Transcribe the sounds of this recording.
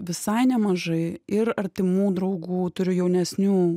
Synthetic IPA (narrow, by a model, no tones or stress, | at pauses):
ʋʲɪsɐɪnʲɛmɐʒɐɪɪɾɐɾʲt̪ʲɪmuːd̪ɾɐʊɡuːt̪ʊɾʲʊjɛʊnʲɛsʲnʲuː